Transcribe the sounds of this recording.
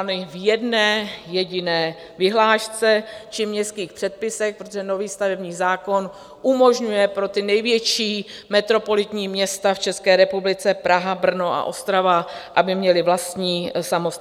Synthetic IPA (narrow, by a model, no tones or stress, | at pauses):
nɪvjɛdnɛːjɛɟɪnɛː | vɪɦlaːʃt͡sɛt͡ʃɪmɲɛst̪kiːxpr̥ɛt̪̚pɪsɛk̚pɾot̪oʒɛno̞viːst̪avɛbɲiːzaːko̞n | ʔumo̞ʒɲujɛpɾo̞t̪ɪnɛjvjɛt͡ʃiːmɛt̪ɾo̞po̞lɪt̪ɲiːmɲɛst̪aft͡ʃɛskɛːɾɛpublɪt͡sɛpɾaɦabr̩noʔa̰ʔo̞st̪ɾavaʔabɪmɲɛlɪvlast̪ɲiːsamos